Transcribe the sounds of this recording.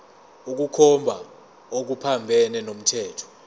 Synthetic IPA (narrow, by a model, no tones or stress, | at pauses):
uk̬ukʰɔmbʱa | ok̬upʰambʱɛnɛnom̩tʰɛːtʰɔ̥